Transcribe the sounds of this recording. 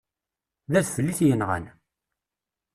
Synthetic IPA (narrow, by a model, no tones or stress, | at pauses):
ðæθfəlːiθjənʁə̰n